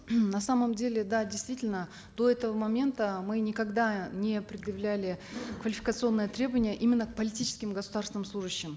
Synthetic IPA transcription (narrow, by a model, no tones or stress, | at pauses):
nɐsaməmdʲelʲɪd̪adʲɪjst̪vʲitʲɪlʲnə | d̪o̞ɛt̪əvəmɐmʲe̞nt̪əmɨnʲɪkɐɡd̪anʲɪpɾʲɪd̪jɪvlʲælʲɪkvəlʲɪfʲɪ̥kət̪sɨo̞nːɨjət̪ɾʲe̞bəvənʲɪjəʔimʲɪnːək̚pəlʲɪtʲit͡ɕɪ̥skʲɪmɡəsʊd̪arsvʲɪnmsˠuʐɨɕːɪm